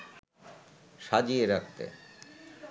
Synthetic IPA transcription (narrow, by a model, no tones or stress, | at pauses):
ʃad͡ʑieɾakt̪ḛ